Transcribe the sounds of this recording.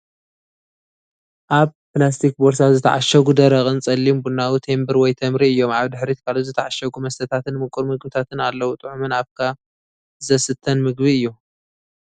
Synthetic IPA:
ʔaβplast̪ʰik̚boɾsawzɨt̪ʰɐ̰ʕa̰ʃɐɡud̪ɐɾɐχʼɨnt͡sʼɐlːimbunawit̪ʰe̞mbɨɾwɔjt̪ʰɐmɾiɨjːo̞maβd̪ɨħɾit̪kʰalot̪zɨt̪ʰaʕaʃɐɡumɐst̪ʰɐt̪ʰat̪ɨnmɨkʼɨɾmɨɡbɨt̪ʰat̪ʰɨnalːɐwut̪ʼɨʕumɨnaβkʰa | zɐsɨt̪ʰːɐnmɨɡβiɨjːu

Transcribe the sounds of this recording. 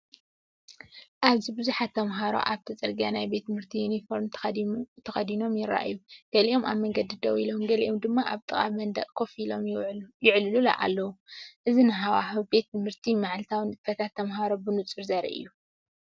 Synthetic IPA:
ʔaβzibɨzuħat̪ʰːɐmɦaɾo̞̰ʔaβt̪ʰɐt͡sʼɐɾɡanajbe̞t̪ːmɨɾt̪ʰijunifoɾmt̪ʰt̪ʰɐxɐd̪ino̞mjɪrːa̰ʔjuɡ̥ɐliʔoma̰βmɐŋɡɐd̪id̪ɐwilomɡɐliʔomd̪ɨmːaʔaβt̪ʼɨχʼa̰mɐnd̪ɐ̰ʔʼkʰo̞filomjɪʕllulɐ̰ʔa̰lːɐwuʔɨzinɨɦawaħube̞t̪mɨɾt̪ʰimaʕlt̪ʰawnfɐt̪ʰat̪ʰːɐmɦaɾo̞bɨnut͡sʼɨɾzaɾḭʔɨ̰jːu

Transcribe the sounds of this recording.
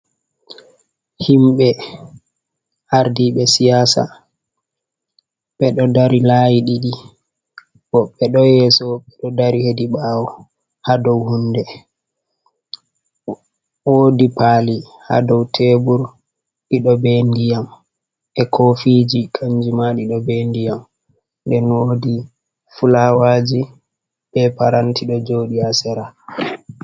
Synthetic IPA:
himɓɛ | ʔaɾdiɓɛsijaːsa̰ | ɓɛɗɔdaɾilaːjiɗiɗi | bɔɓɛɗɔjɛsɔɓɛɗɔdaɾihediɓaːwɔ | hadɔwhundɛ | woːdipali | ha̰dɔwtʰebuɾ | ɗiɗɔbɛndijam | ɛkʰofid͡ʒikʰaɲd͡ʒimaɗiɗɔbɛndijam | ndɛnwoːdi | fulawaːd͡ʒi | ɓɛpaɾantiɗɔd͡ʒoːɗiasɛɾa

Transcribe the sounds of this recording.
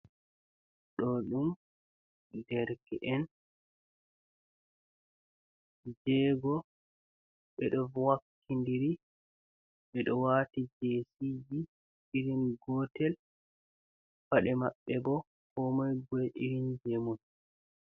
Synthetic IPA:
ɗɔɗum | dɛɾkɛʔɛn | d͡ʒɛɡɔ | ɓɛɗɔwakʰːindiɾi | ɓɛɗɔwaːtid͡ʒeːsid͡ʒi | iɾinɡɔtɛl | faɗɛmaɓːɛɡɔ | kɔmajɡɔʔiɾind͡ʒemun

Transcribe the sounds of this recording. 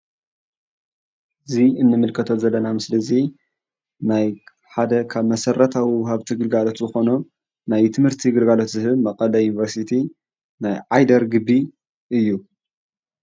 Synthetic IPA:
ɨziɨnːɨmɨlkʰɐt̪ʰot̪zɐlːɐnamɨslɐzi | naj | ħad̪ɐkʰaβmɐsɐrːɐt̪ʰawiwhaβt̪ʰiɡɨlɡalo̞t̪zɨxo̞nu | najt̪ʰɨmhɨɾt̪ʰiɡɨlɡalo̞t̪zɨhɨβmɐkʼɐlɐjunivɐɾsit̪ʰi | najʕajd̪ɐɾɡɨbːi | ʔɨjːu

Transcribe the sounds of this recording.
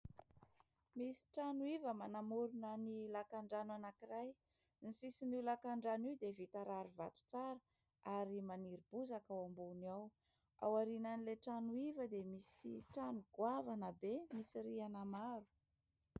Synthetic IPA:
misi̥ʈ͡ʂanuivəmanamuɾunənilakaɳɖ͡ʐanwanakiraj | nisisinilakaɳɖ͡ʐaniwd̪evit̪aɾaɾuva̰t̪u̥t͡saɾə | aɾimaniɾibuzakawambuniaw | a̰waɾinanileʈ͡ʂanuivəd̪emisḭʈ͡ʂanuɡ̥wavanəbemisiɾianamaɾu̥

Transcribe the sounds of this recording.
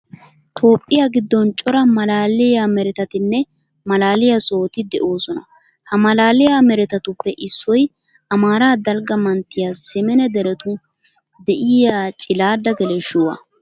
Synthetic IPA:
t̪ʰo̞ːpʼːɪjaɡɪd̪ːɔnt͡ʃʼɔɾɐmɐlaːlɪjamɛɾɛt̪ɐt̪ɪnːɛ | mɐlaːlɪjɐso̞ːt̪ɪd̪ɛʔo̞ːsɔnɐ̰ | hɐmɐlaːlɪjamɛɾɛt̪ɐt̪ʊpːɛʔɪsːɔj | ɐmaːɾaːd̪ɐlɡɐmɐnt̪ːɪjasɛmɛnɛd̪ɛɾɛt̪ʊ | d̪ɛʔɪjat͡ʃʼɪlaːd̪ːɐɡɛlɛʃʊwɐ̰

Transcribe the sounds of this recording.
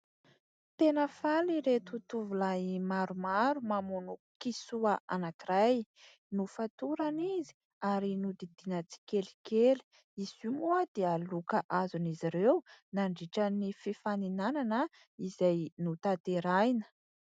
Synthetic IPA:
t̪enəfaliɾet̪ut̪uvulajmaɾumaɾumamunukisuəʔanakiraj | nufat̪uɾanizi̥ | aɾinud̪id̪̥inət͡si̥keli̥keli̥ | iz̥umuad̪̥ealukəʔazuniziɾewnaɳɖ͡ʐiʈ͡ʂənififaninananə | izajnut̪at̪eɾajnə̥

